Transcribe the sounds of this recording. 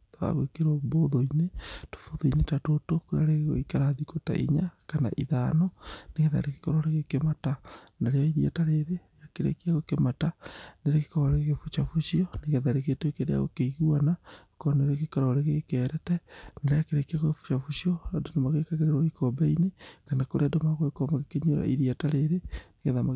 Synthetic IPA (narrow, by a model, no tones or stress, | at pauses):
taa̰ɣwekeɾwɔboðoineto̥foðoinetatotokuɾa̰ɾeɣo̰ikaɾaðikota̰ʔḭɲakana̰ʔiðanɔneɣeða̰ɾeke̥kɔɾɔɾeɣekematanaɾeaiɾiɛ̰taɾeɾe | jakeɾḛkiaɣokemataneɾeke̥kɔɾɔɾeɣefut͡ʃafuʃiɔneɣeðaɾeketwekeɾḛa̰ɣo̰keiɣuana | koɔneɾekekɔɾɔɾeɣekɛːɾɛtɛnaɾeakeɾekiaɣoefu̥t͡ʃafuʃiɔadonamaɣekaɣeɾeɾwaikɔbɛinekanakoɾeadomaɣoekɔmaɣekeɲoɾa̰ʔiɾiataɾeɾeneɣeðama